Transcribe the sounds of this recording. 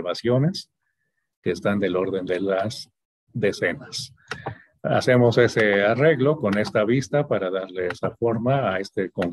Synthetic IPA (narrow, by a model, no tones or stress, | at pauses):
βasjo̞ne̞s | ke̞ːst̪and̪e̞lo̞ɾðe̞nd̪e̞las | ðe̞se̞nas | a̰se̞mo̞se̞se̞are̞ɣlo̞ko̞ne̞st̪aβist̪apaɾaðaɾle̞esafo̞ɾmaːe̞st̪e̞ko̞ŋ